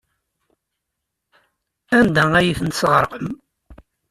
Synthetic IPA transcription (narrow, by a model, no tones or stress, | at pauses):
ænd̪ææjiθənt̪əsʁəɾˤqəm